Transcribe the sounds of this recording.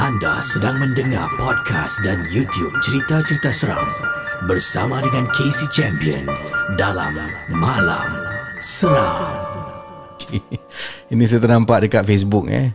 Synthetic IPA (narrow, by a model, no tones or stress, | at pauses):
ʔanda̰sədaŋməndəŋa̰rpɔd̚kʰa̰sdanjut̪iup̚t͡ʃəɾit̪at͡ʃəɾit̪asəɾa̰ŋ | bərsa̰madəŋankʰesit͡ʃɛmpiə̰ndala̰mːala̰msəɾaŋ | okʰe | inis̬ət̪ərnampaʔ̚dəkat̪̚fes̬buk̚ja̰